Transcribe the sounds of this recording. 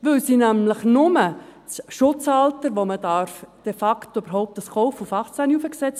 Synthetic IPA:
ʋɪlsinæmləχnʊmət͡sʃʊt͡sɑltəɾʋomədɑɾfd̥efɑktoyb̥əɾɦɔʊp̚təskɔʊfufɑχt͡sæniufəksɛt͡s

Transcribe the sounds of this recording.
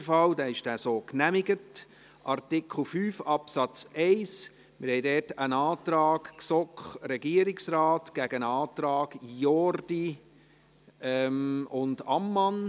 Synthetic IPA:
fɑld̪ɛːɪʃd̥æːsoːknæmɪɡət | ʔɑrtɪkʰl̩fyːfɑpsɑt͡sɛɪs | mɪɾhɛɪdɛːtənɑːt̪ɾɑːkksɔkχɾɛɡiːəɾɪksrɑːtɡ̥æɡ̥ənɑːt̪ɾɑːɡ̥jɔrd̥i | ʔɛmʊndɑmːɑn

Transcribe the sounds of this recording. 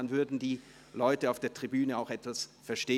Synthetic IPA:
anvʏɐdn̩diː | lɔʏtəaʊfd̥eːɐtʁ̥ibyːnəaʊxɛtv̥asfɛɐʃteː

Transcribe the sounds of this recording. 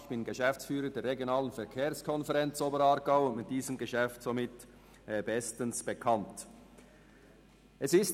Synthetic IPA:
çb̥ɪnɡəʃɛft͡sfyːɾədɛːɐɾːeɡjonaːlənfɛɐkʰeːʁskʰɔnfɛʁɛnt͡soːbəɾɑɾɡaʊʊntmɪt̚d̥iːzəmɡəʃɛftsomɪtː | bɛstənsb̥ekʰɑnt | ʔɛsɪst

